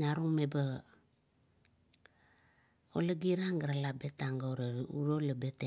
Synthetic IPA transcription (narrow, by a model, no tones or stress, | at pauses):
naɾuŋmeba | olaɡiɾaŋɡaɾalabe̞taŋɡaoɾauɾolabete